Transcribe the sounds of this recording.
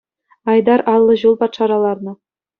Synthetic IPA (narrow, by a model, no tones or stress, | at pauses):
ɑjd̪ɑɾʔɑlˠːɤ̆ʑulˠpɑt̪ʂɑɾɑlˠɑrnɤ̆